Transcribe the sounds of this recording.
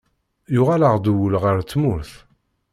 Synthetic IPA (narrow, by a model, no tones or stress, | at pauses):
jʊʁalaʁd̪uwəlʁəɾt͡sːmʊɾθ